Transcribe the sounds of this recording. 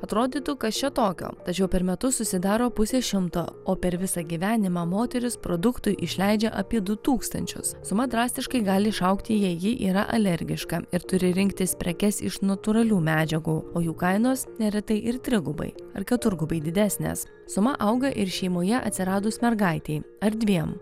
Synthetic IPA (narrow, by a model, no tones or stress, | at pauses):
ɐt̪ɾoːd̪ʲiːt̪uːkɐt̪t͡ʃʲɛt̪oːkʲo̰ːt̪ɐt͡ʃʲɛʊpʲɛɾmʲɛt̪ʊssʊsʲɪd̪ɑːɾoːpʊsʲeːʃʲɪmt̪o̰ːoːpʲɛɾʋʲɪsɑɡʲiʋʲæːnʲɪmɑːmoːt̪ʲɛɾʲʊspɾod̪ʊkt̪ʊɪʔɪʃʲlʲæɪd͡ʒʲɛʔɐpʲiɛd̪ʊt̪uːkst̪ɐ̰nʲt͡ʃʲʊ̰ssʊmɐd̪ɾɑːsʲt̪ʲɪʃkɐɪɡɑːlʲɪʃɐʊkt̪ʲɪjɛɪjɪʔiːɾɐ̰ʔɐlʲɛɾʲɡʲɪʃkɐɪɾt̪ʊɾʲɪɾʲɪŋʲkt̪ʲɪsʲpʲɾʲɛkʲɛsɪ̰ʃnɐt̪ʊɾɐlʲuːmʲæːd͡ʒʲɛɡuːoːjuːkɐɪnoːsnʲɛɾʲɛt̪ɐɪʔɪɾt̪ʲɾʲɪɡʊbɐ̰ɪɐɾkʲɛt̪ʊɾɡʊbɐɪd̪ʲɪd̪ʲæːsʲnʲḛs | sʊmɐʔɐʊɡɐʔɪɾʃʲɛɪmoːjɛʔɐ̰t̪ʲsʲɪɾɑːd̪osmʲɛɾɡɐɪt̪ʲɛɪ | ɐɾʲd̪ʲʋʲiɛm